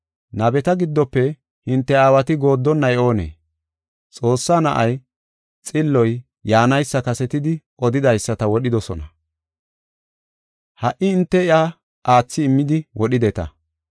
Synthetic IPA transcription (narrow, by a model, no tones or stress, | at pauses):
nɐbɛt̪ɐɡɪd̪ːɔpːɛ | hɪnt̪ːɛaːwɐt̪ɪɡo̞ːd̪ːɔnːɐjɛo̞ːnḛː | t͡sʼo̞ːsːanɐʔɐj | t͡sʼɪlːɔj | jaːnɐjsːɐkɐsɛt̪ɪd̪ɪʔɔd̪ɪd̪ɐjsːɐt̪ɐwɔɗɪd̪ɔsɔnɐ | hɐʔɪːnt̪ːɛɪʔa | ʔaːt͡sːɪːmːɪd̪ɪwʔɔɗɪd̪ɛt̪ɐ̰